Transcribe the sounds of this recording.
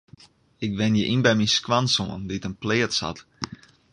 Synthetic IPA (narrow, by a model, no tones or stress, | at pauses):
ɪk̚ʋɪnjəʔinbɛjminskʋansoənditənplɪətsha̰t